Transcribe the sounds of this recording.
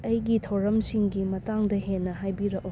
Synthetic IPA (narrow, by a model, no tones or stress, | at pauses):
ɐjɡitʰɐwɾɐmsiŋɡimɐtaŋdɐɦenːɐɦajbiɾɐʔ̚u